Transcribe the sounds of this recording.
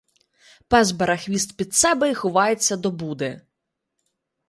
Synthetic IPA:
pɛzbɐɾɐxʋʲist̪pʲid̪sɛbɛixʊʋɑjet͡sʲːɐd̪ɔbud̪e

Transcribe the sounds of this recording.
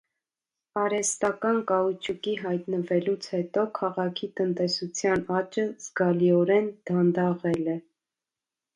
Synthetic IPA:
ɑɾɛst̪ɑkɑnkɑut͡ʃʰukiɦɑjt̪nəvɛlut͡sʰhɛt̪ɔkʰɑʁɑkʰit̪ənt̪ɛsut͡sʰjɑnɑt͡ʃəz̥ɡɑliɔɾɛnd̪̥ɑnd̪ɑʁɛlɛ

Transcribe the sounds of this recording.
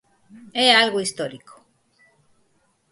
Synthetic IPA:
ealɣoist̪oɾiko̥

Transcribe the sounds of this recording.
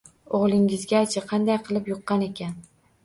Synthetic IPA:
oʁlˠɪŋɪzɡʲat͡ʃʰaqʰɑnd̪ajqʰɨlˠɪpjoqːɑne̞kʲʰan

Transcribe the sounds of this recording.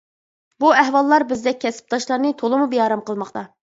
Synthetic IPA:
buɛɦwɑlˠːɑɾbɪzd̪ɛk̚ʲkʰːɛsɪ̥p̚t̪ɑʃlˠɑɾnɨt̪ʰolˠɨmubijɑːɾɑmqəlˠmɑχt̪ʰɑ

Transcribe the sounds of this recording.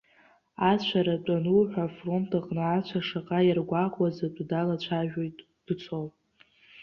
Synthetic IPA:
at͡ɕʷʰaɾat͡pʷʼanuħʷᶣafro̞ntʰaqʼnɨat͡ɕʷʰaʂaqʼajarɡʷaqʼwazatʷʼdalat͡ɕʷʰaʒᶣo̞jtʼ | d̥ɨt͡sʷʰol

